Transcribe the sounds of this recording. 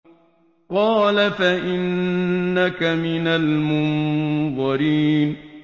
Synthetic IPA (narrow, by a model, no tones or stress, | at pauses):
qɑːlafaʔɪnː | akamɪnalmʊnðˤɑɾiːn